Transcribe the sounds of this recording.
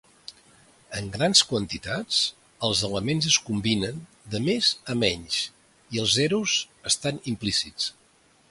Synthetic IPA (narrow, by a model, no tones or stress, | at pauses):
əŋɡɾanskwənt̪it̪at͡s | əlˠzələmenzəskumbinən | d̪əmezəmɛɲs | iəlˠzɛɾuz | əst̪animplisit͡s